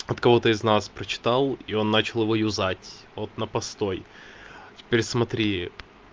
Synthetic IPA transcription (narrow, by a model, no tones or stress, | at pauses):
ɐt̪kɐvo̞t̪əɪznaspɾət͡ɕɪ̥t̪ɑlˠio̞nːat͡ɕɪlˠjɪvo̞jʊzatʲvot̪nəpɐst̪o̞j | tʲɪ̥pʲeɾʲsmɐt̪ɾʲi